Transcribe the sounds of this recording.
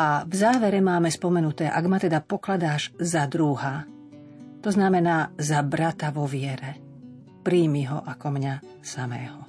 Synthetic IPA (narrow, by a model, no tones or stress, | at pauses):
avzaːʋɛɾɛmaːmɛspɔmɛnut̪ɛːʔaɡmat̪ɛd̪apɔklad̪aːʒzad̪ɾuɦa | t̪ɔznamɛnaːzabɾat̪aʋɔʋɪɛɾɛ | pɾiːmiɦɔ̰ʔakɔmɲa | samɛ̰ːɦɔ